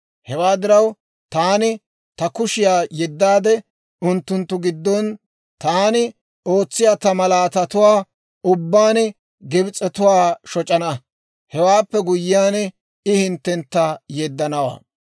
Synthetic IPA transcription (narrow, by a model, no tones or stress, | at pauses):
hɛwaːd̪ɪɾɐw | t̪aːnɪ | t̪ɐkʊʃɪjaːjɛd̪ːaːd̪ɛ | ʊnt̪ːʊnt̪ːʊɡɪd̪ːɔn | t̪aːnɪ | o̞ːt͡sːɪjaːt̪ɐmɐlaːt̪ɐt̪ʊwaː | ʊbːaːn | ɡɪbɪt͡sʼɛt̪ʊwaːʃɔt͡ʃʼɐnɐ | hɛwaːpːɛɡʊjːɪjaːn | ɪhɪnt̪ːɛnt̪ːɐjɛd̪ːɐnɐwa̰ː